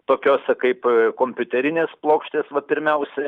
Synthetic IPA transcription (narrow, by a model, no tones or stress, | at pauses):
t̪oːkʲoːsʲɛkɐɪpkoːmʲpʲʊt̪ʲɛɾʲɪnʲeːsplˠoːkʃʲt̪ʲeːsʋɐpʲɪɾʲmʲɛʊsʲɛ